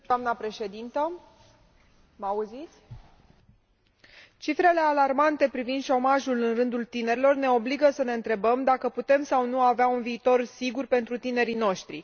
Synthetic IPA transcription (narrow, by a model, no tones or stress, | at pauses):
d̪amnəpɾe̞ʃe̞d̪int̪ə | mauzit̪sʲ | t͡ʃifɾe̞le̞alarmant̪e̞pɾivind̪ʃo̞maʒulɨnrɨnd̪ult̪ine̞ɾilo̞rne̞o̞bliɡəsəne̞ɨnt̪ɾe̞bəmd̪akəput̪e̞msawnuaveaunviːt̪o̞rsiɡurpe̞nt̪ɾut̪ine̞ɾino̞ʃt̪ɾḭ